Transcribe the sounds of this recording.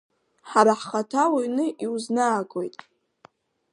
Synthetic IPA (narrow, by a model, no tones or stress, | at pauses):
ħaɾaħχatʰawajnɨʔiwuznaːkʼo̞jtʼ